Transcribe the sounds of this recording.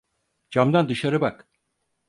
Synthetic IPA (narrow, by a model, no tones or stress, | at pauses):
d͡ʒamd̪and̪ɯʃaɾɯbak